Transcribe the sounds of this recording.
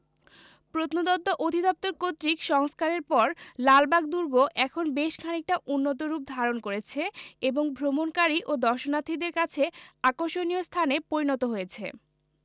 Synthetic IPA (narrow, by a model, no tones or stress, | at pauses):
pɾot̪nod̪ɔt̪ːoʔod̪ʱid̪ɔp̚t̪oɾkot̪ɾikʃɔŋskaɾeɾpɔɾlalbaɡ̚d̪uɾɡoʔɛkʰonbeʃkʰanik̚ʈaʔunːot̪̬oɾup̚d̪ʱaɾonkoɾet͡ɕʰeeboŋbʱɾomonkaɾiʔod̪ɔɾʃonat̪ʰːid̪eɾkat͡ɕʰeakoɾʃoniost̪ʰanepoɾinɔt̪oɦojet͡ɕʰe